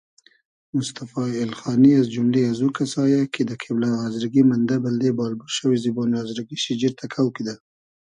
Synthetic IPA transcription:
mʊst̪afɑɪlxɑniazd͡ʒʊmleazukasɑjaked̪əkʰiblaazɾaɡimand̪abald̪ebɑlbuɾʃəwizibonazɾaɡiʃid͡ʒiɾt̪ʰakʰawkid̪a

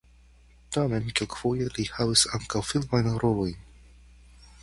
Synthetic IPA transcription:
tamenkelkv̥ujelihavisaŋkawfilmajnɾolo̞jn

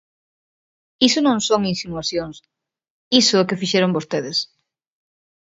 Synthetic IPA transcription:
isonõŋsoŋinsinuaθjoŋs | isʊɛkɪfiʃɛɾoŋbost̪eðes

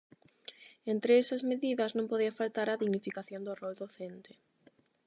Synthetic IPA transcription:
ent̪ɾeesɐzmeðiðɐznõmpoðiɐfalt̪aɾɐðiɣnifikaθjõnd̪ʊrold̪oθent̪e̥

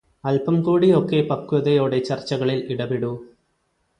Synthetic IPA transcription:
ɐlpɐmkuːɽio̞kːe̞pɐkːuɐðɐjo̞ːɽet͡ɕɐrt͡ɕːɐɣɐɭiliɽɐbiɽu

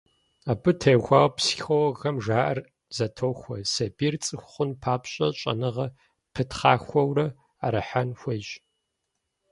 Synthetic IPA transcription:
aːbɨtʰɐːɣʷaːwpsxʷɔwɣɐmʒaːʔɐr | z̥ɐtʰoːxʷɔsɐbiːrt͡sʼɨxʷχʷʊnpʰaːpɕʼɐɕʼɐ̰nɨʁɐ | pʰɨtχa̰ːxʷɐwrɐ | aɾɐħanxʷɐjɕʼ

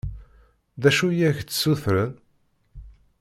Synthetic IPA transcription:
ðæʃujæçt͡sːsuθɾən

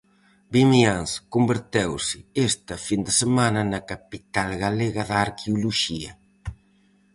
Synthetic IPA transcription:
bimianskombeɾt̪ewsɪest̪ɐfind̪ɪsemanɐnɐkapit̪alɣaleɣɐðaːɾkʰeuluʃiɐ

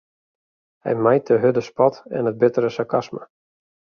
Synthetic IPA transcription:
hɛ̰jmajt̚dəɦødəspɔtɛ̰nət̚bɪtəɾəsakʰasmə̰

